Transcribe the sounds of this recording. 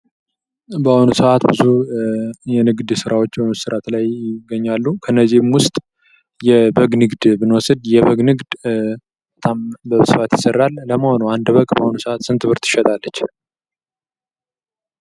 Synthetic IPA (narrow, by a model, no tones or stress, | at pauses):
bəhonusəʔat̪bɨzu | jɛnɨɡd̪sɨɾʔawo̞t͡ʃːbəməsɨɾat̪lajɪɡːəɲːalːukʰənːəzimwʊst̪ʼ | jɛbəɡnɨɡd̪bɨnwɔsɨd̪jɛβəɡnɨɡd̪ | bət̪ʰambəsɨfat̪jɪsərːalːəməho̞nuand̪βəkʼbəhonusəʔat̪sɨnt̪ʰɨβɨɾt̪ɨ̥ʃɛt̪ʼalːət͡ʃː